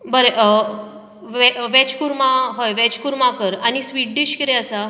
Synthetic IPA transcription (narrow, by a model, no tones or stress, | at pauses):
bəɾeʔ | ʋɛʋɛt͡ɕkuɾmaɦojʋɛt͡ɕkuɾmakəɾañisʋiʈ̚ɖiɕkiɾeəsa